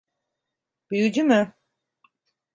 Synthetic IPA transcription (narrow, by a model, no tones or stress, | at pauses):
b̥yjyd͡ʒymʏ